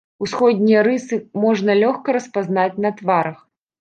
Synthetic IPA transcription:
usxɔd̪ʲnʲijɐɾɨsɨmɔʐnɐlʲɔxkɐɾɐspaznat͡sʲnɐt̪vaɾɐx

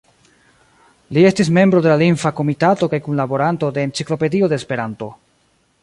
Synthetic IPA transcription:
lie̞stis̬me̞mbɾo̞d̪e̞laliŋfako̞mitato̞kajkunlabo̞ɾanto̞de̞ːnt͡siklo̞pe̞dio̞de̞ːspe̞ɾanto̞

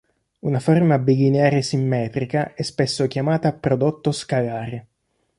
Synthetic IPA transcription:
unaformabiɡineaːɾesimːɛːt̪ɾikaɛspesːok̟jamaːt̪apɾod̪ot̪ːoskalaːɾe

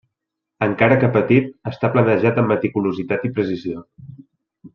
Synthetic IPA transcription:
əŋkaɾəkəpət̪it̪̚əst̪aplənəʒat̪əmːət̪ikuluzit̪at̪ipɾəsizio

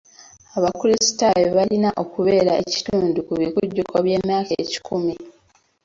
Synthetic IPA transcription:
aβakulisi̥tajoβalinaʔo̞kuβeeːɾaeci̥tuːndukuβikuɟːukʰoβje̞ːmjaːkeːci̥kumi

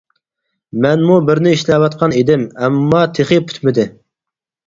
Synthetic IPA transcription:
mɛnmubɪɾnɪiʃlɛwɑt̪qʰɑned̪ɪmɛmːɑt̪ʰeχepʰy̥t̪mɪd̪ɪ

